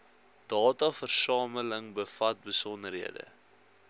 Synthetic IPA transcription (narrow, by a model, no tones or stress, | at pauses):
d̥ɑːtɐfərsɑːmələŋbəfɐt̚bəsɔndərɦiədə̰